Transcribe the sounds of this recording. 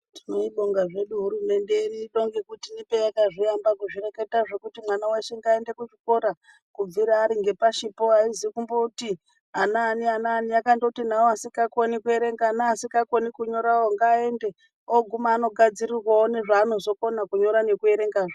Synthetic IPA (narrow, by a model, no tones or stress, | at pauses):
ti̥no̞iɗo̞ŋɡaʐe̞ɗuɦuɾume̞ndeniɗo̞ŋɡekutinipejakaʐiambakuʐire̞ke̞taʐe̞kutimwanaweʃeŋɡae̞nde̞kut͡ʃiko̞ɾa | kub͡viɾaːɾiŋɡe̞paʃipo̞aizikumbouti | anaːnianaːniakandoutinaoasikakonikue̞ɾe̞ŋɡanaːsikakonikuɲo̞ɾaoŋɡae̞nde̞ | oɡʱumaːno̞ɡʱad͡zirirwaone̞ʐaːno̞zo̞ko̞nakuɲo̞ɾane̞kue̞ɾe̞ŋɡaːʐa